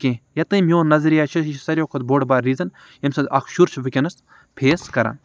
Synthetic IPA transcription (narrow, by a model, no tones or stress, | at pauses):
kʲẽːjɐt̪ɨ̃mijõːnɐzɐɾijaːt͡ʃʰɐsɐɾʲjoːkʰot̪boːɖbaːɾːiːzɐn | jɐmsɐɐkʰʃuɾt͡ʃʰʋɨkʲɐnɐs | pʰeːskɐɾa̰ːn